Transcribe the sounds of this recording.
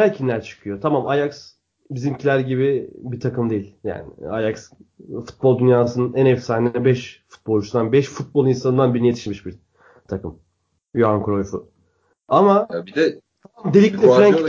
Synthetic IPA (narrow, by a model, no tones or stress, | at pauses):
æɾcʰimlʲæɾt͡ʃʰɯ̥kʰɯjo̞t̪ʰamamajaks | bizimcʰilʲæɾɟiβibit̪ʰakʰɯmd̪ejilʲja̰ːnɪ̰ajaksfu̥t̪̚bolˠd̪ynjaːsɯnɯnænɛfsaːninɛbɛʃfu̥t̪̚bolˠut͡ʃʰunanbɛʃfut̪̚bo̞lˠinsanɯnd̪anbiɾnije̞t̪ʰi̥ʃmiʃbiɾ | t̪ʰakɯm | juaŋkɾo̞jʲfu | amaabid̪ɛ | aamd̪elʲiclʲɛfɾæɲ